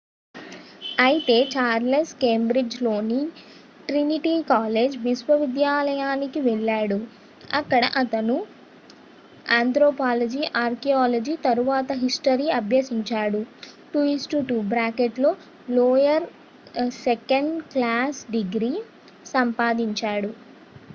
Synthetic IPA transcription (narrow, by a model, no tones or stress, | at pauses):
ɐjit̪e̞ːt͡ʃaːɾleskeːmbɾid͡ʒlo̞ːni | ʈɾiniʈiːkaːleːd͡ʒʋisʋɐʋid̪jaːlɐjaːnikiʋɛɭːaːɽu | ɐkːɐɽɐ̰ʔɐt̪ɐnu | aːnt̪ɾoːpaːlɐd͡ʒiʔaːɾkiaːlɐd͡ʒit̪ɐɾuʋaːt̪ɐɦisʈɐɾiːɐbʱjɐsiɲt͡ʃaːɽuʈuisʈuʈubɾaːkeʈlo̞ː | loːjɐɾ | sekɐɳɖklaːsɖiɡɾiː | sɐmpaːd̪iɲt͡ʃaːɽu